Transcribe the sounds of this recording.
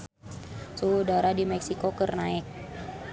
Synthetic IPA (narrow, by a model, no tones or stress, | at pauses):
soɦudaɾadimɛksikokərnaɛk̚